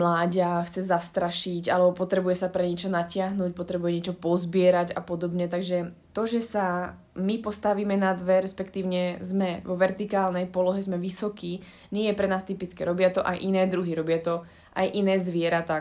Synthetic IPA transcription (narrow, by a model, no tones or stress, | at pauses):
mlaːɟaxt͡sɛzast̪ɾaʃiɟalɛbɔpɔt̪ɾɛbujɛsapɾɛɲɪɛt͡ʃɔnacɪaɦnuːc̚pɔt̪ɾɛbujɛɲɪɛt͡ʃɔpɔzbɪɛɾaɟapɔd̪ɔbɲɛt̪aɡʒɛt̪ɔʒɛsa | mipɔst̪aʋiːmɛnad̪ʋɛɾɛspɛkt̪iːʊɲɛzmɛʋɔʋɛɾt̪ikaːlnɛjpɔlɔɦɛzmɛʋisɔkiː | ɲɪɛjɛpɾɛnaːst̪ipit͡skɛɾɔbɪat̪ɔʔa̰jʔinɛːd̪ɾuɦiɾɔbɪat̪ɔ | ʔajʔinɛːzʋɪɛɾat̪aː